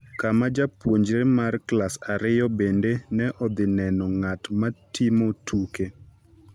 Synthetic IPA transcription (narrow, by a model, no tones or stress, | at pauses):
kamad͡ʒapwoɲd͡ʒɾemarklasaɾɪjɔbendenɛʔɔd̪ɪnɛnɔŋatmatimotʰuke